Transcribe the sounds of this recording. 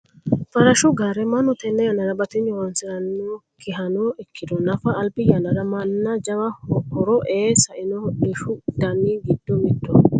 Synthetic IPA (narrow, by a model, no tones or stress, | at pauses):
fɐɾɐʃʊɡɐɾɛmɐnʊt̪ɛnːɛjɐnɐɾɐbɐt̪ɪɲːɔwɐnsɪɾɐnːo | kʰɪɦɐnɔɛkːɪd̪ɔnɐfɐːlpɪjɐnɐɾɐmɐnːɐd͡ʒɐwɐhɔɾɔʔeːsɐʔɪnɔdɪʃʊd̪̥ɐniɡɪd̪ːɔmɪd̪ːɔ